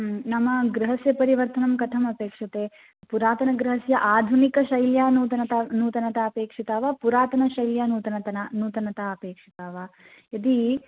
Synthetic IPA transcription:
nɐmːɐɡɾɐɦɐsjɐpɐɾiʋɐɾt̪ɐnɐmkɐt̪ʰɐmɐpeːkʂɐt̪eː | puɾaːt̪ɐnɐɡɾɐɦɐsjɐʔaːd̪ʱunikɐʃɐjljaːnuːt̪ɐnɐt̪ɐnuːt̪ɐnɐt̪ɐːpeːkʂit̪aːʋapuɾaːt̪ɐnɐʃɐjljaːnuːt̪ɐnɐt̪ɐnɐnuːt̪ɐnɐt̪aɐpeːkʂi̥t̪aːʋa | ɐd̪i

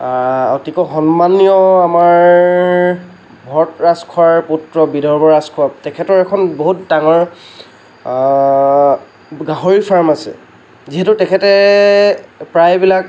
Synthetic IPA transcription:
ɔtikɔxɔnmanijɔamaɹ | bʱɔtɹaskʰuaɹputɹɔbidʱɔɹbɔɹaskʰuatɛkʰɛtɔɹɛkʰɔnboɦutdaŋɔɹ | ɡaɦoɹipʰaɹmasɛ̰ | ziɦɛtʊtɛkʰɛtɛ | pɹajbilak

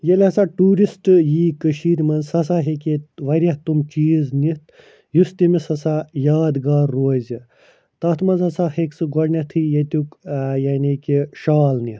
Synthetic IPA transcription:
jɐlʲɐsaʈuːɾisʈɨjiːkəʃiːɾʲmɐnzsɐs̬aːɦekʲeʋɐɾʲɐt̪umt͡ʃiːznit̪̚ʰ | just̪ʲimisɐsajaːd̪ɡaːɾːoːzʲi | t̪ɐt̪ʰmɐnzɐsaheksɨɡɐɽnʲɐt̪ʰɨjɐt̪ʲukjaːnʲikʲiʃaːlnit̪

